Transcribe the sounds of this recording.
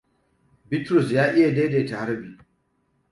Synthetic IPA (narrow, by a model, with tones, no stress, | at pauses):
bɪ˦tɾʊ˨sjaː˦ʔɪ˦ja˨deː˦de˨ta˨ha˦ɾbiː˨